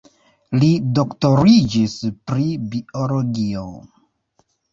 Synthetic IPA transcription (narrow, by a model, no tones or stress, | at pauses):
lido̞kto̞ɾid͡ʒispɾibiolo̞ɡio̰